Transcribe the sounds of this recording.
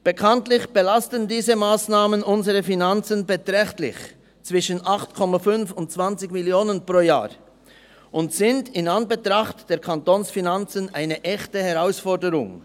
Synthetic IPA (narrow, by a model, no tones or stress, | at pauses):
b̥əkʰantlɪçb̥əlastəndiːzəmaːsnaːmənʔʊnzəʁəfinant͡sənbətʁɛxtlɪ̰ç | t͡sv̥ɪʃənʔaχtkʰɔmafʏnfʊntt͡sv̥ant͡sɪɡmɪljoːnənpʁ̥oːja̰ːʁ | ʔʊntsɪndɪnanbətʁaχtd̥eːɐɾkʰantoːnsfinant͡sənʔaɪnəʔɛxtəhɛʁaʊsfɔɾdəɾʊ̰ŋ